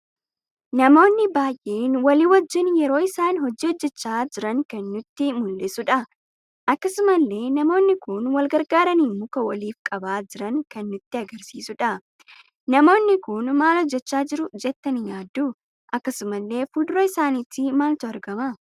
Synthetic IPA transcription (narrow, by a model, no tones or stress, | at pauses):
nɐmo̞ːnːɪbaːjʔe̞ːnwɐliwɔd͡ʒːɪnjɛɾo̞ːɪsaːnɦɔd͡ʒiːɔd͡ʒːɛt͡ʃːaːd͡ʒɪɾɐŋkɐnːʊt̪ːɪmʊlːɪsʊᶑɐ | ʔɐkːɐsʊmɐlːe̞ːnɐmo̞ːnːɪkʊnwɐlɡɐɾɡaːɾɐniːmʊkɐwɐliːfkʼɐbaːd͡ʒɪɾɐŋkɐnːʊt̪ːɪɐɡɐɾsiːsʊᶑɐ | nɐmo̞ːnːɪkʊnmaːlɔd͡ʒːɛt͡ʃːaːd͡ʒɪɾʊd͡ʒɛt̪ːɐnɪɲaːd̪ːu | ʔɐkːɐsʊmɐlːe̞ːfʊd̪ɾɐɪsaːniːt̪ːɪmaːlt̪ʊɐɾɡɐmɐ